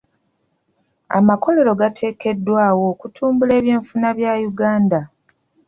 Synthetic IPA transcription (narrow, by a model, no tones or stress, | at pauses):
a̰mako̞le̞ɾo̞ɡatʰe̞ːke̞dːwaːwo̞kutʰuːmbule̞ːβje̞ːɱfunaβjaːjuɡaːnda